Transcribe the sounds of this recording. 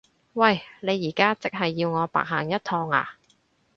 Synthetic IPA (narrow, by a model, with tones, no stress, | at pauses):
wɐ˨˩jne˨˧jːiː˨˩kaː˥t͡sɪ˨k̚ɦɐ˨jːiː˧wŋɔː˨˧pa̰ː˨k̚ɦaː˨˩ŋjɐ˥t̚t̪ʰɔː˧ŋa̰ː˧